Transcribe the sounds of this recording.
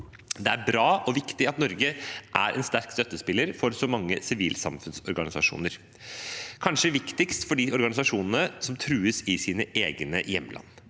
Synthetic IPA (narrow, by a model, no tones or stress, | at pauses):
d̪ɛæɾbɾɑːʔɔʋɪkt̪ɪɑt̪nɔɾɡəʔæ̰ɾʔɛ̰nst̪æɾkst̪œt̪ːəspɪlːəɾfɔɾsɔmɑŋːəsɪʋḭːlsɑ̰mfʉnsɔɾɡɑnɪsɑʂṵːnəɾ | kʰɑnʂəʋɪkt̪ɪkst̪fɔɖɪɔɾɡɑnɪsɑʂuːnənəsɔmt̪ʰɾʉːəsɪsiːnəʔeːɡnəjɛmːəlɑ̰nː